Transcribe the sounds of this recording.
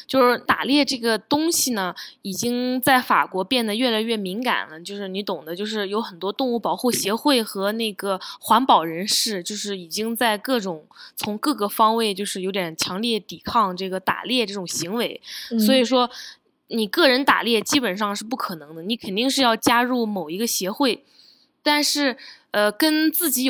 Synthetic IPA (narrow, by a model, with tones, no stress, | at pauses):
t͡ɕjo˥˧ʊʂɻ̩˥˩t̪a̰˨˩ljɛ˥˧ʈ͡ʂɤ˥˩ɡə˩t̪ʊ˥ŋɕi˨nə˩i˨˩t͡ɕi˥ŋt͡sa˥˩ɪfa̰˨˩kwɔ˧˥pjɛ˥˩nd̪ə˩ɥɛ˥˩la˧˥ɪɥɛ˥˩mi˧˥ŋka̰˨˩nlə˦t͡ɕjo˥˧ʊʂɻ̩˥˩ni˧˥t̪ʊ˨˩ŋd̪ə˦t͡ɕjo˥˧ʊʂ̬ɻ̩˥˩jo˧˥ʊxə˨˩nt̪wɔ˥t̪ʊ˥˧ŋu˥˩pɑ˨˩ʊxu˥˩ɕjɛ˧˥xwe˥˩ɪxɤ˧˥ne˥˩ɪɡə˩xwa˧˥npɑ˨˩ʊɻə˧˥nʂɻ̩˥˧t͡ɕjo˥˧ʊʂɻ̩˥˩i˨˩t͡ɕi˥ŋt͡sa˥˧ɪkɤ˥˩ʈ͡ʂʊ˨˩˦ŋt͡sʰʊ˧˥ŋkɤ˥˩ɡə˩fɑ˥ŋwe˥˧ɪt͡ɕjo˥˧ʂɻ̩˥˩jo˧˥ʊt̪jɛ˨˩nt͡ɕʰjɑ˧˥ŋljɛ˥˩t̪i˨˩kʰɑ˥˧ŋʈ͡ʂɤ˥˩ɡə˩t̪a̰˨˩ljɛ˥˧ʈ͡ʂɤ˥˩ʈ͡ʂʊ˨˩ŋɕi˧˥ŋwe˧˥ɪswɔ˧˥i˨˩ʂwɔ˥ | ni˨˩kɤ˥˩ɻə˧˥nt̪a̰˨˩ljɛ˥˩t͡ɕi˥pə˨˩nʂɑ˥˧ŋʂɻ̩˥˧p̬u˥˩kʰɤ˨˩nɤ˧˥ŋd̪ə˧ni˧˥kʰə˨˩nt̪i˥˧ŋʂ̬ɻ̩˥˧jɑ˥˩ʊt͡ɕja˥ɻu˥˩mo˨˩ʊi˧˥ɡə˧ɕjɛ˧˥xwe˥˩ɪ | t̪a˥˧nʂɻ̩˥˩ | ə˧kə˥nt͡sɹ̩˥˩t͡ɕi˧˥